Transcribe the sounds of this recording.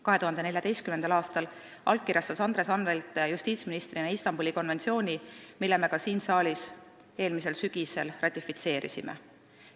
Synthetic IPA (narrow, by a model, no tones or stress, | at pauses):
kɑɦe̞t̪uɦɑnd̪ene̞lʲjɑt̪e̞jst̪kymend̪̥ɑlɑːst̪ɑl | ɑ̰lk̚kːirʲjɑst̪ɑsɑnd̪ɾe̞sɑnve̞lt̪ːˑjust̪iːt̪sminist̪rinɑist̪ɑmbulʲiko̞nve̞nt̪sio̞ːnʲimilːe̞me̞kɑsiːnsɑːlʲis | e̞ːlmise̞lsyɡ̥ise̞lrʔɑt̪ʲːˑifit̪se̞ːɾʔḭsimḛ